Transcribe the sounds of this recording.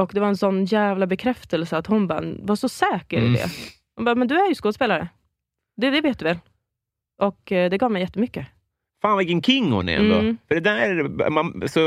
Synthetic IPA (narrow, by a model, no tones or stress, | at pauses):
ɔkd̪ɛvaɾɛnsɔnːjæːvlabɛkʰɾɛft̪əlsəat̪hʊnbɑ̰ːɾvaʂɔsɛːkəɾɪ̰d̪ɛ̰ | hʊnbɑːmɛnd̪ɵæɾjɵskoːd̪speːlaɾə̰ | d̪ɛd̪ɛveːt̪̚d̪ɵvɛl | ʔɔkd̪ɛɡɑːvmɛjɛt̪ːəmʏkːə | faːnvɪkːənkʰɪŋːhʊ̰nɛ̰ɛ̰nd̪o̰ːfœɖɛd̪æɾ̰manasɔ